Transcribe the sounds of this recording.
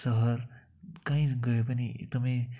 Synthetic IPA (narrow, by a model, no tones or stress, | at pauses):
sʌɦʌr | kãĩɡʌjopʌniḛt̪ʌmãj